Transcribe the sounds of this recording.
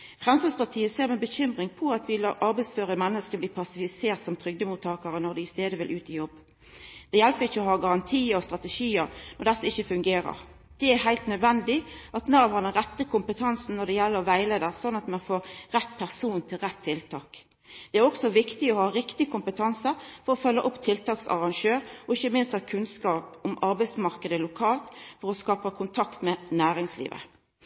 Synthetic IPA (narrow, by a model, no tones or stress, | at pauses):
fʁɛmsɑspɑʁt̪ʰiːəseːʁmɛbəçʏmʁɪŋpʰɔɑt̪ʋɪlɑʔɑʁbæɪsføːʁəmɛnːəskəbliːpʰɑsɪfɪseːʁt̪sɔmt̪ʰʁʏɡ̚d̪əmuːt̪ʰːɑːkəɾənɔʁd̪ɪɪst̪eːd̪əʋɪlʔʉːt̪ɪjɔbː | d̪̥ɛjɛlpəɪçːəɔhɑːɡɑʁɑnt̪ʰiːəɾɔst̪ɾʁɑt̪əʃiːəʁnɔd̪ɛsːəɪçːəfʉŋɡeːɾə̰ʁ | d̪̥ɛæɾhæɪlt̪nœd̪ʋɛnd̪ɪʔɑt̪nɑːʋhɑd̪ɛnʁɛt̪ːəkʰʊmpət̪ʰɑnsn̩nɔʁd̪ɛjɛlːəʁɔʋæɪleːd̪əʁsɔnːɑt̪mɛnfoːʁʁɛt̪ːpʰæʁsuːnt̪ʰɪlɾɛt̪ʰːɪlt̪ʰɑːk | d̪̥ɛæɾɔksɔʋɪkt̪ɪɔhɑːɾɪkt̪ɪkʰʊmpət̪ʰɑnsəfɔɾɔfœlːəʔʊpːt̪ʰɪlt̪ʰɑːksɑ̰ʁɑŋʃøːɾɔɪçːəmɪnst̪ɑkʰʉnskɑːpʊmɑɾbæɪsmɑʁkəd̪əlʊkʰɑːlt̪fɔɾɔskɑːpəkʰʊnt̪ʰɑkt̪mɛnæːɾɪŋslḭːʋə̰